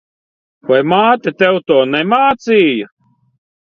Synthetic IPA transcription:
vajmaːt̪ʲet̪ɛwt̪ɔːnɛmaːt̪siːjɐ

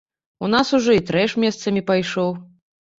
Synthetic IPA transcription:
unasuʐɔit̪ɾɛʂmʲɛst̪sɐmʲipajʂɔw

